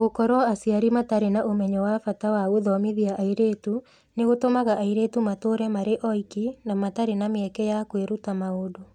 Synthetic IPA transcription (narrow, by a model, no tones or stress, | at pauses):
ɣokɔɾwɔasjaɾimataɾenaʔomɛɲɔwafatawaoðɔmiðiaʔaiɾeːtu | neɣotomaɣaʔaiɾeːtumatoɾɛmaɾeʔɔikinamataɾenameɛkɛjakweɾutamaodo